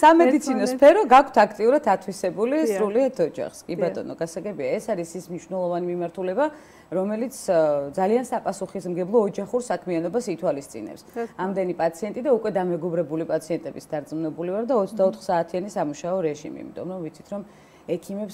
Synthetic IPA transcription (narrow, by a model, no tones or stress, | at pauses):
samɛdd̪it̪sʰinɔspʰɛɾɔɡakʰt̪ʰakʰt̪ʼiuɾad̪ʰat̪ʰwisɛbulisɾuliat̪ʰɔd͡ʒa̰χskʼibat̪ʼɔ̰nɔɡasaɡɛbiaɛsaɾisismniʃwnɛlˠɔvanimimaɾt̪ʰulɛba | ɾɔmɛlit̪sʰd̪zaliansapʼasuχismɡɛblˠɔːd͡ʒaχuɾsakʰmianɔbasit̪ʰwalist̪sʼḭnɛ̰psamd̪ɛnipʼat̪sʰiɛnt̪ʼid̪aukʼwɛd̪amɛɡɔbɾɛbulipʼat̪sʰiɛnt̪ʼɛbisd̪aɾt̪sʼmunɛbulivaɾd̪aɔt̪sʰd̪aɔt̪ʰχsaːt̪ʰianisamuʃaɔɾɛʒḭmḭːmit̪ʼɔmɾɔmvit̪sʰi̥t̪ʰɾɔm | ɛkʰimɛps